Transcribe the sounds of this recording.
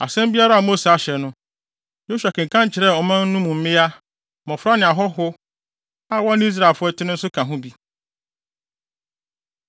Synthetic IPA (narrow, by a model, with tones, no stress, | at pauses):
a̰˨sɛ̃˦mbi˦a˦ɾa˦a˨mo˦se˨a˨ɕɛ˨nʊ̃˦ | jo˦ɕᶣa˨kɪ̃˨ŋ˨kʰã˦ɲ˦t͡ɕʰɪ˨ɾɛ˦˨ɔ˨mã˦n̩˦nũ˦mũ˨m̩˦mɪ̃˦a˦ | mɔ̃˨fʊ˦ɾa˦nɪ̃˨a˨ɦɔ˦ɦʊ˦ | a˦wɔ̃˦n˦i˦s̬ɾa˦˨lfʊ˦ɔ˦tʰɪ˦nɪ̃˦n̩˦sʊ˦kʰã˨ɦʊ̃˦bi˦